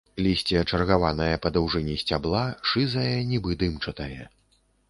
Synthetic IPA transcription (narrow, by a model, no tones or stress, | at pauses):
lʲisʲt͡sʲiɐt͡ʂɐrɣavanɐjɐpɐd̪ɐwʐɛnʲisʲt͡sʲablˠaʂɨzɐjɐnʲibɨd̪ɨmt͡ʂɐt̪ɐjɛ